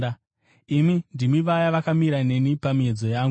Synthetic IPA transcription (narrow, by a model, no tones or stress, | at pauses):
a | imindimiʋajaʋakamiɾane̞nipamied͡zo̞jaːŋɡu